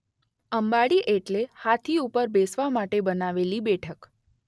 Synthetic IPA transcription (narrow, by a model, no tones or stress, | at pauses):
əmbaɽiʔeʈlehat̪ʰiupəɾbesʋamaʈebənaʋelibɛʈʰək